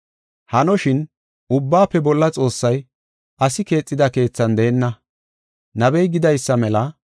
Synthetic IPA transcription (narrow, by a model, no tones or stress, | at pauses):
hɐnɔʃɪn | ʔʊbːaːpːɛbɔlːɐt͡sʼo̞ːsːɐj | ɐsɪke̞ːt͡sʼːɪd̪ɐke̞ːt͡sːɐnd̪eːnːɐ | nɐbɛjɡɪd̪ɐjsːɐmɛlɐ